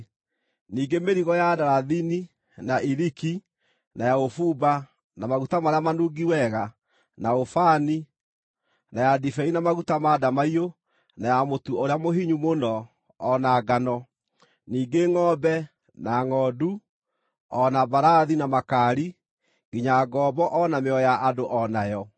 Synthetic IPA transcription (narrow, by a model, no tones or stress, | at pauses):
niːɡemeɾiɣɔjadaɾaðini | naʔiɾiki | najaofuba | namaɣutamaɾeamanuɡiwɛɣa | naofani | najadifɛinamaɣutamadamaio | najamotuoɾeamoɦiɲumonɔː | naɡanɔ | niːɡeŋɔbɛ | naŋɔdu | ɔnabaɾaðinamakaɾi | ɡiɲaɡɔːbɔʔɔnameɔjaʔadoʔɔnajɔ